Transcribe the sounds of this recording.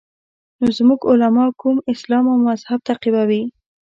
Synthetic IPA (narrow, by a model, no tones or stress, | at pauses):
nozmuɡʊlamɑkumɪslɑmawmmazhab̚t̪aqibawi